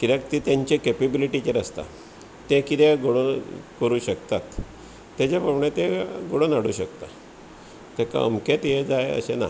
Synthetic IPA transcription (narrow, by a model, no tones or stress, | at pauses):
kiɾakt̪it̪jãɲt͡ɕekepebiliʈit͡ɕeɾəst̪a̰ | t̪ẽkit̪eɡoɽonkəɾuːɕəkt̪at̪ː | jat͡ɕapəʋɳẽt̪ẽɡoɽonaɽ̤ṵɕəkt̪a | t̪ɛka̰əmket̪jed͡zajə̰ɕena̰